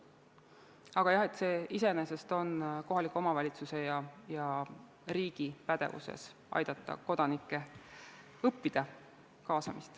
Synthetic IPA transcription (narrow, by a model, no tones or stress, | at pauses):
ɑɡ̥ɑjɑhe̞t̪ːˑse̞ːise̞nese̞st̪o̞nko̞ɦɑlikːˑuo̞mɑvɑlʲit̪suse̞jɑjɑ | riːɡ̥ipæd̪̥e̞̰vṵsḛs | ɑ̰jd̪̥ɑt̪ˑːɑ̰ko̞d̪̥ɑnikːˑe̞ | ɤpːid̪̥ɑ | kɑːsɑmist̪